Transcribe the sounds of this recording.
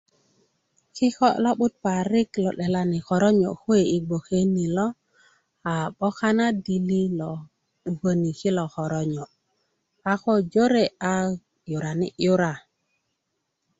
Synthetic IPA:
kɪ˦kɔ˦lɔ˦ɓʊ˦t̪̚pa˨ɾɪ˦klɔ˨ɗɛ˨la˨nɪ˨kɔ˨ɾɔ˦ɲɔ̰˨xwe˨i˨ɡ͡bo˨ke˦ni˨lɔ˦ | a˨ɓɔ˦ka˦na˦di˨li˦lɔ˨ | ɡo˦ni˨kɪ˦lɔ˨xɔ˨ɾɔ˦ɲɔ˨ | a˦kɔ˦d͡ʒo˦ɾe˦˨a˦ | jʊ˨ɾa˨nɪ̰˦˨jʊ˦ɾa˨

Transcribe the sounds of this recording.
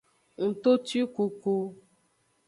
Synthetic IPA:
ŋ̩˨t̪o˦ti˦ku˧ku˧

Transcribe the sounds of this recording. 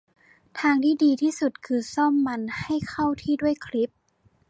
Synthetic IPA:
t̪ʰaː˧ŋt̪ʰiː˥˩diː˧t̪ʰiː˥˩su˨˩t̪̚kʰɯː˧sɔ˥˩mːa˧nha˥˩jkʰa˥˩wt̪ʰiː˥˩du˥˩əjkʰli˦˥p̚

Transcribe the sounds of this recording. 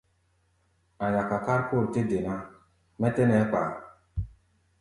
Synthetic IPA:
a˨ja˨ka˨ka˦ɾpo˦˨ɾte˦de˨na˦ | mɛ˦tɛ˦nɛ˨˦k͡pa̰˨

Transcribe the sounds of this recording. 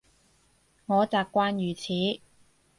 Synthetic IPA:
ŋɔː˨˧t͡saː˨kːʷwaː˥njyː˨˩t͡sʰiː˨˥

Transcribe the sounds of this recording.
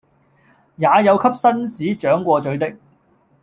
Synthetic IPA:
jaː˨˧jɐ˨˧wkʰɐ˥p̚sɐ˥nsiː˨˥t͡ʃœː˨˥ŋkʷɔː˧t͡ʃɵ˨˥ɥt̪ɪ˥k̚

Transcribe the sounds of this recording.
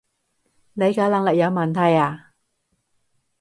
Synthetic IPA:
ne˨˧jkaː˨˧˥lɐ˨˧˩ŋlɪ˨k̚jɐ˨˧wmɐ˨˩nt̪ʰɐ˨˩jaː˨˩

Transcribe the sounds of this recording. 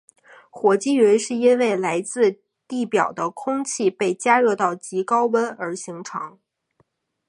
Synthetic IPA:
xwɔ˧˥t͡ɕi˥ɥɛ˧˥ɪʂɻ̩˥˩˧i˥nwe˥˩ɪla˧˥ɪt͡sɹ̩˥˧ | t̪i˥˩pjɑ̰˨˩ʊd̪ə˦kʰʊ˥ŋt͡ɕʰi˥˧pe˥˩ɪt͡ɕja˥ɻɤ˥˧t̪ɑ˥˩ʊt͡ɕi˧˥kɑ˥ʊwə˥nə˞˧˥ɕi˧˥ŋʈ͡ʂʰɑ̰˧˥ŋ

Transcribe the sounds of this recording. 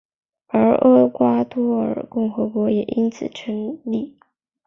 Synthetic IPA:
ə˞˧˥ʔə˥kwa˥t̪ʰwɔ˥ə̰˞˨˩kʊ˥˩ŋxɤ˧˥kwɔ˧˥jɛ˨˩ʔi˥nt͡sʰɹ̩˨˩ʈ͡ʂʰə˧˥ŋli˥˩

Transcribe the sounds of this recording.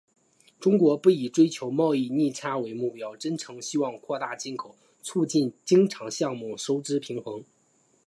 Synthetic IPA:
ʈ͡ʂʊ˥ŋkwɔ˧˥pu˥˩i˨˩ʈ͡ʂwe˥ɪt͡ɕʰjo˧˥ʊmɑ˥˧ʊi˥˧ni˥˩ʈ͡ʂʰa˥we˧˥ɪmu˥˩pjɑ˥ʊʈ͡ʂə˥nʈ͡ʂʰɤ˧˥ŋɕi˥wɑ˥˧ŋkʰwɔ˥˧t̪a˥˩t͡ɕi˥nkʰo˨˩ʊ | t͡sʰu˥˧t͡ɕi˥˩nt͡ɕi˥ŋʈ͡ʂʰɑ˧˥ŋɕjɑ˥˧ŋmu˥˩ʂo˥ʊʈ͡ʂɻ̩˥pʰi˧˥ŋxɤ˧˥ŋ

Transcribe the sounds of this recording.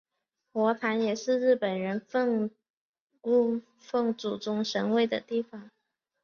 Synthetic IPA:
xwɔ˧˥p̪ʰa˧˥njɛ˨˩ʂɻ̩˥˧ɻɻ̩˥˩pə˨˩nɻə˧˥nfɤ˥˧ŋ | ku˥˧ | fɤ˥˩ŋt͡su˨˩ʈ͡ʂʊ˥ŋʂə˧˥ŋwe˥˩ɪd̪ə̰˩t̪i˥˩fɑ˨˩˦ŋ

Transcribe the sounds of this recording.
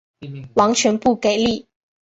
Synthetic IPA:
wɑ˧˥ŋt͡ɕʰɥɛ˧˥npu˥˩ke˨˩ɪli˥˩

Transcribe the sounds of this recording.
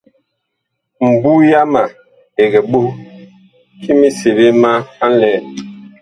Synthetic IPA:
m̩˨bu˦ja˦ma˨ | e˨ɡɛ˨ɓo˦ | kʰi˦mi˦se˨be˦ma˦a˦n˦lɛ˦˨

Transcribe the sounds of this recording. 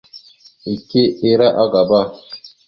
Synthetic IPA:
i˨ke˦e˦ɾa˦ʔa˦ɡa˨ba˦˨

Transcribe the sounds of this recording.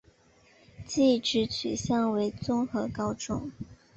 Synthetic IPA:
t͡ɕi˥˩ʈ͡ʂɻ̩˧˥t͡ɕʰy̰˨˩ɕjɑ˥˩ŋwe˧˥ɪt͡sʊ˥ŋxɤ˧˥kɑ˥ʊʈ͡ʂʊ̰˨˩˦ŋ

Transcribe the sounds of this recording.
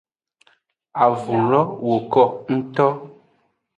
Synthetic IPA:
a˨vu˨lɔ˦wo˨kɔ˦ŋ̩˦tɔ˦

